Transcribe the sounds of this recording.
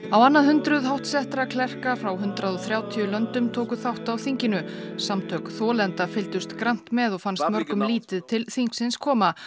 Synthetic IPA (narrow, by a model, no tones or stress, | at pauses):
awanːaðhʏnt̪ɾʏðɦawht̪sɛht̪ɾakʰlɛr̥kafɾawɦʏnt̪ɾaðɔθɾjaːwt̪ʰiʏlœnt̪ʏmt̪ʰoːwkʏθawht̪awθiɲcɪnʏsamt̪ʰœkθɔːlɛnt̪afɪlt̪ʏst̪kɾan̥t̪mɛðɔɣfanst̪mœɾkʏmliːt̪ɪðt̪ʰɪlθiŋksɪnskʰɔːma